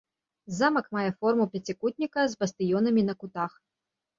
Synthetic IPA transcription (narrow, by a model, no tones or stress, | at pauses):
zamɐkmajɛfɔrmupʲɐt͡sʲikut̪̚ʲnʲikɐzbɐst̪ɨjɔnɐmʲinɐkut̪ax